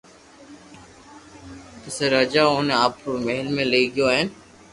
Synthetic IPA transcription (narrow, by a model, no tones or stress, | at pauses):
təseɾəːd͡ʒaːoːnaːpkoːmeːɦɪlmẽːleːɡɪjoːɦɛ̃ː